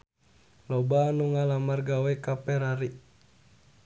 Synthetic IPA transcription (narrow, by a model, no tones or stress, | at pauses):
lɔbanuŋalamarɡawɛkapɛɾaɾi